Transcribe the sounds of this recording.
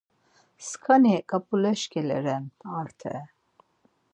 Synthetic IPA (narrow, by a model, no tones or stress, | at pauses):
skʰanikʼapʼulɛʃkʰʼɛlɛ̰ɾɛmaɾt̪ʰɛ̰